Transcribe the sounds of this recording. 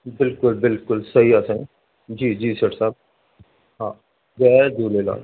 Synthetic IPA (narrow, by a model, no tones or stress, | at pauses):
bɪlkʊlbɪlkʊlsɐɦiaːsə̃ŋ | d͡ʒiːd͡ʒiːsəʈʰsaːb̚ | ɦãː | ɡɛːd̪ʱuːɾeːla̰ːl